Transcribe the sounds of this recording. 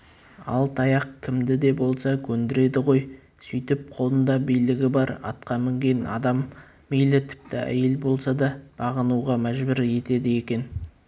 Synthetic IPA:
ɑ̰lˠt̪ʰɑjɑq̚kʲʰɪmd̪ɪd̪e̞bo̞lˠsɑkʲʰɵnd̪ɪɾe̞d̪ɪʁo̞j | sʏjt̪ɪp̚qʰo̞lˠənd̪ɑbijlɪɡʲɪbɑɾɑ̰t̪qɑmɪŋɡʲe̞nɑ̰d̪ɑmː | ijlɪt̪ʰɪ̥p̚t̪ɪæ̰je̞lbo̞lˠsɑd̪ɑb̥ɑʁənuʁɑmæʒbɪɾje̞t̪e̞d̪ɪje̞kʲe̞n

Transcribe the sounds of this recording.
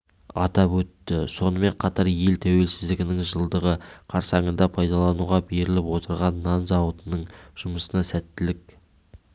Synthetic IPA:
ɑt̪ɑpwɵt̪ːɪso̞nəme̞ɴqʰɑt̪ɑɾje̞lt̪ʰæwe̞lsɪzd̪ɪɡʲɪnɪŋʒəlˠd̪əʁəqʰɑɾsɑɴənd̪ɑpʰɑjd̪ɑlˠɑnuʁɑbe̞ɾɪlɪpwo̞t̪əɾʁɑnːɑnzɑwət̪ənəɴʒ̥ʊməsənɑsæt̪ːɪlɪk̚

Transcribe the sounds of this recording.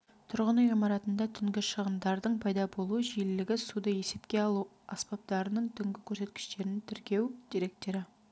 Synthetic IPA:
t̪ʰʊɾʁənujimɑɾɑt̪ənd̪ɑt̪ʰʏŋɡʲɪʃəʁəmd̪ɑɾd̪əɴpʰɑjd̪ɑbo̞lˠuʒijllɪɡʲɪsud̪əje̞se̞pkʲe̞ɑlˠu | ɑspɑp̚t̪ɑɾənəɴt̪ʰʏŋɡʲɪkʲʰɵɾse̞t̪kʲɪ̥ʃt̪e̞ɾɪnɪŋt̪ʰɪɾkʲe̞wd̪̥iɾe̞k̚t̪e̞ɾɪ

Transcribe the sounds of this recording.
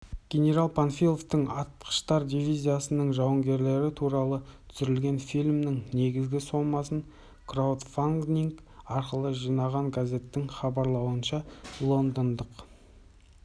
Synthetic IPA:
ɡ̥ʲe̞nʲe̞ɾalˠpʰanfʲijlˠo̞ft̪əɴɑt̪̚qʰə̥ʃt̪ɑɾd̪ivijzʲijasənəɴʒɑwəŋɡʲe̞ɾle̞ɾɪt̪ʰuɾɑlˠət̪ʰʏ̥sʏɾɪlɡʲe̞nfilʲmnɪŋne̞ɡʲɪzɡʲɪso̞mɑsəɴ | krawd̪faŋɡnʲiŋkɑɾqəlˠəʒijnɑʁɑŋɡazʲe̞t̪ːɪŋχɑbɑɾlˠɑwənʃɑlˠo̞nd̪ənd̪əq

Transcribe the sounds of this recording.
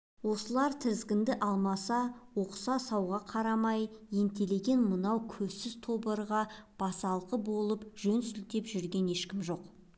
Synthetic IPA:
wo̞səlˠɑɾt̪ʰɪzɡʲɪnd̪ɪʔɑlˠmɑsɑwo̞qə̥sɑsɑwʁɑqʰɑɾɑmɑjje̞nt̪e̞le̞ɡʲe̞nmənɑwkʲʰɵzsɪzt̪ʰo̞bəɾʁɑb̥ɑsɑlˠqəbo̞lˠəpʒ̥ɵnsʏlt̪e̞pʒʏɾɡʲe̞ne̞ʃkʲɪmʒo̞q

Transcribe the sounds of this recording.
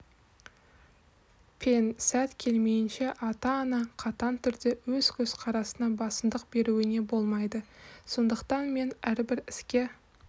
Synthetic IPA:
pʰensæt̪kʲʰe̞lme̞jɪnʃe̞ʔɑt̪ɑːnɑqʰɑt̪ɑnt̪ʰʏɾd̪e̞wɵz̥kʲʰɵz̥qʰɑɾɑsənɑbɑsənd̪əq̚be̞ɾuɪne̞bo̞lˠmɑjd̪əso̞nd̪əqt̪ɑnme̞næɾbɪɾɪskʲe̞

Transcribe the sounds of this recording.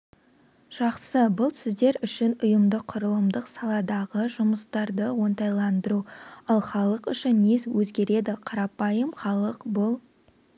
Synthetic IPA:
ʒ̥ɑqsəbʊlˠsɪzd̪e̞ɾʏʃɪnʊjəmd̪əqʰːʊɾəlˠəmd̪əqsɑlˠɑd̪ɑʁəʒʊməst̪ɑɾd̪əwo̞nt̪ɑjlˠɑnd̪əɾuɑlˠχɑlˠəqʏʃɪnːezwɵzɡʲe̞ɾe̞d̪ɪqʰɑɾɑpɑjəmχɑlˠəqbʊlˠ

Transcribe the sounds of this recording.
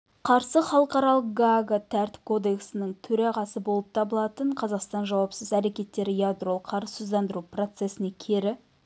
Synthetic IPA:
qʰɑɾsəχɑlˠəqɑɾɑlˠəq̚ɡaɡat̪ʰæɾt̪ɪ̥p̚kʰo̞d̪e̞ksɪnɪŋt̪ʰɵɾɑʁɑsəbo̞lˠəp̚t̪ʰɑbəlˠɑt̪əɴqʰɑzɑqst̪ɑnʒɑwɑpsəzæɾe̞kʲe̞t̪ːe̞ɾɪjad̪ɾolˠqʰɑɾəsozd̪ɑnd̪əɾupro̞t̪se̞sɪne̞kʲʰe̞ɾɪ

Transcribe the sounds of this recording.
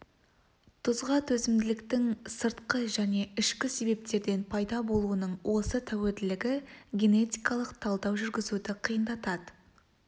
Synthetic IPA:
t̪ʰʊzʁɑt̪ʰɵzɪmd̪ɪlɪkt̪ɪŋsəɾt̪qəʒæne̞ɪʃkʲɪse̞be̞p̚t̪e̞ɾd̪e̞npʰɑjd̪ɑbo̞lˠuənəɴwʔo̞sət̪ʰæweld̪ɪlɪɡʲɪɡʲe̞ne̞t̪ijkɑlˠəqt̪ʰɑlˠd̪ɑwʒʏɾɡʲɪzud̪ɪqʰijənd̪ɑt̪ɑd̪ə

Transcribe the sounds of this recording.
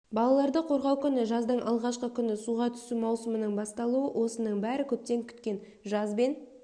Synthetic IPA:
bɑlˠɑlˠɑɾd̪əqʰo̞ɾʁɑwkʲʏnɪʒɑzd̪əɴʔɑlˠʁɑʃqəkʲʰʏnɪsuʁɑt̪ʰʏ̥sumɑwsəmənəɴbɑst̪ɑlˠuəwʔo̞sənəɴbæɾɪkʲʰɵp̚t̪e̞ŋkʲʰʏ̥t̪kʲe̞n | ʒɑzbe̞n

